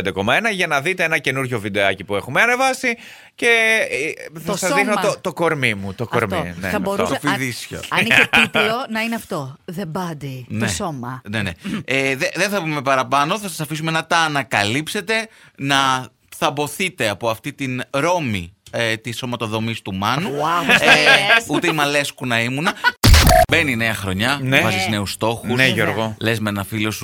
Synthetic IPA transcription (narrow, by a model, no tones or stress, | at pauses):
d̪eko̞mɐenɐʝɐnɐðit̪e̞enɐce̞nuɾʝo̞vid̪e̞ɐcipue̞xumeɐne̞vɐsi | ce̞ | θɐsɐzðixnoot̪o̞ko̞ɾmimut̪okoɾminḛɐboɾt̪ofiðisço̰ɐnietplonɐineɐft̪oðebɐd̪itnoesomɐnenḛeðeðenθɐpume̞pɐɾɐpɐno̞θɐsɐsɐfisume̞nɐt̪ɐːnɐkɐlipse̞t̪e̞nɐ | θɐbo̞θit̪e̞ɐpo̞ɐft̪it̪inɾo̞mḭet̪isːo̞mɐt̪o̞ðo̞mist̪umɐnu | ut̪eimɐle̞skunɐimunɐ | be̞nine̞ɐxɾo̞ɲɐnevɐsizne̞ust̪o̞xueʝoɾɣole̞zmenɐfilosu